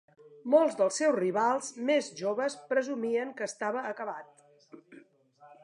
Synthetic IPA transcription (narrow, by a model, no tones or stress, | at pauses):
molˠzd̪əlˠsɛwzriβalˠzmezʒoβəspɾəzumiəŋkəːst̪aβəːkəβat̪̚